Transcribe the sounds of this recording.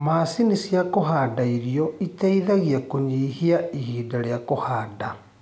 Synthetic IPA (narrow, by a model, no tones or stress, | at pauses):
masinisjakoɦaːdaiɾioitaiðaɣiakuɲihiaihiːdaljakohaːda